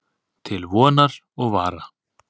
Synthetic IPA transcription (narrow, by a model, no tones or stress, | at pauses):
t̪ʰɪlvɔːnaɾ̥ | ɔɣva̰ːɾa